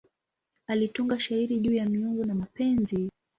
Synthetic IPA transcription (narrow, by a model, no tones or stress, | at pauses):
alituŋɡaʃaiɾiʄuːjamiuŋɡunamapɛnzi